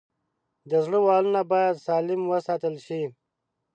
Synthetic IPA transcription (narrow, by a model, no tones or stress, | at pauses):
d̪əzɽəwɑːlunabɑːjad̪sɑːlɪmwəsɑːt̪əlʃi